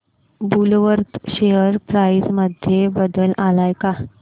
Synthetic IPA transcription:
bulʋəɾt̪ɕeəɾpɾajsməd̪ʱjebəd̪əlalajka

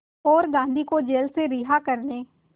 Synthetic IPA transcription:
oːɾɡãːnd̪iːkoːd͡ʒeːlseːɾɪːɦaːkəɾneː

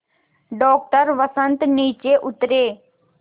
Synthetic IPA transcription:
ɖɔːk̚ʈəɾʋəsə̃nt̪niːt͡ʃeːʔʊt̪ɾeː

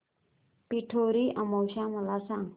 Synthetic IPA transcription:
piʈʰoɾiʔamowʃamalasaŋ

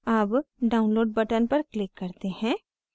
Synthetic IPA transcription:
aːpɖaːʊ̃nloːɖ̚bɐʈənpɐɾklɪkːɐɾt̪ehɛ̃ː

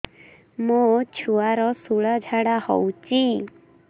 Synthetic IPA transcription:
mot͡ʃʰuaɾɔsuɭad͡ʒʱaɽahɔ̰wt͡ʃi

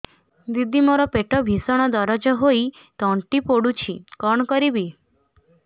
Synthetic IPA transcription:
d̪id̪ːimoɾɔpeʈɔbʱisɔɽ̃ɔd̪ɔɾɔd͡ʒɔɦoi | t̪ɔɳʈipoɽut͡ʃʰikɔɳkɔɾibi

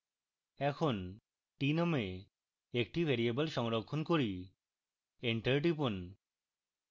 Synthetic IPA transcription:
ɛkʰon | ʈinome | ek̚ʈibʱeɾiebəlʃɔŋɾokʰːonkoɾi | eɳʈɐɾɖipon

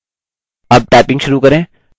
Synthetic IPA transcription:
ɐb̚ʈɛːpɪ̃ŋɡʃʊɾukɐɾẽː

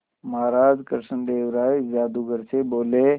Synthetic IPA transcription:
mɐɦaːɾaːd͡ʒkəɾʃənd̪eːwɾaːid͡ʒaːd̪uɡəɾseboːleː

